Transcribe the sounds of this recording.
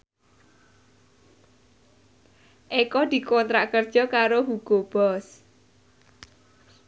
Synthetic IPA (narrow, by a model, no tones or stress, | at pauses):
ʔekɔd̪̥i̤kont̪ɾaʔkərd̥ʒ̥ɔ̤kaɾoɦuɡ̥o̤b̥ɔs